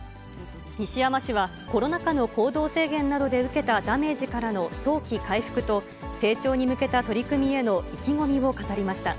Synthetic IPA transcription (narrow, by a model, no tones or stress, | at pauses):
ɲiɕijamaɕiβa | ko̞ɾo̞nakano̞ko̞ːd̪o̞ːse̞ːɡẽ̞nːad̪o̞d̪e̞ɯ̟ke̞t̪ad̪ame̞ːʑikaɾano̞so̞ːkʲikaiɸɯ̥kɯ̟t̪o̞ | se̞ːt͡ɕo̞ːɲ̟imɯ̟ke̞t̪at̪oɾʲikɯ̟mʲie̞no̞ikʲiŋo̞mʲiβo̞kat̪aɾʲimaɕi̥t̪a